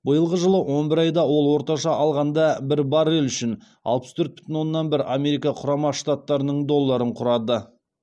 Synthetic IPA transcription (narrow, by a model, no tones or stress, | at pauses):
bəjəlˠʁəʒəlˠəwo̞nbɪɾɑjd̪ɑwo̞lˠwo̞ɾt̪ɑʃɑʔɑlˠʁɑnd̪ɑbɪɾbɑɾelʏʃɪn | ɑlˠpə̥st̪ʰɵɾt̪̚bʏ̥t̪ɪnwo̞nːɑnbɪɾame̞ɾijkɑqʰʊɾɑmɑʃt̪at̪ːɑɾənəɴd̪o̞lˠːɑɾəɴqʰʊɾɑd̪ə